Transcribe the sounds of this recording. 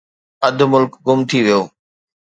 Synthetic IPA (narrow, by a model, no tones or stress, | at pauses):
ɐd̪ʱmʊlkɡʊmt̪ʰiʋijoː